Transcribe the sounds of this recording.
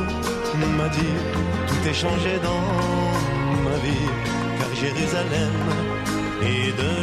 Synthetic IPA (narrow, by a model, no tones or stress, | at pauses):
ɔ̃mad̪i | t̪ut̪ɛʃɑ̃ʒed̪ɑ̃ | mavi | kaʁʒeʁyzalɛm | e | d̪ə